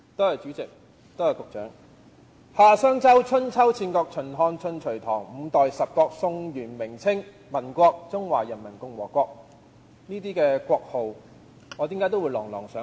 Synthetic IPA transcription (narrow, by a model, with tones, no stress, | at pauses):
t̪o˥hɐ˨jt͡ʃyː˨˥t͡sɪ˨k̚ | t̪o˥whɐ˨jkʊ˨k̚t͡ʃœː˨˥ŋ | haː˨sœː˥ŋt͡sɐ˥wt͡ʃʰɵ˥nt͡sʰɐ˥wt͡sʰiː˧nkɔː˧k̚t͡ʃʰɵ˨˩nɦɔː˧ŋt͡ʃʰɵ˨nt͡ʃʰɵ˨˩ɥt̪ʰɔː˨˩ŋm̩˨˧t̪ɔː˨jsɐ˨p̚kɔː˧k̚sʊ˧ŋɥyː˨˩nmɪ˨˩ŋt͡sʰɪ˥ŋ | mɐ˨˩nkʷɔː˧k̚t͡sʊ˥ŋwaː˨˩jɐ˨˩nmɐ˨˩nkʊ˧ŋwɔ̰ː˨˩kʷɔː˧k̚ | niː˥t̪iː˥kɛː˧kʷɔː˧k̚ho˨w | ŋɔː˨˧t̪iː˨˥kaː˨˥jt̪o˥wu˨˧jlɔː˨˩ŋlɔ̰ː˨˩ŋsœː˨˥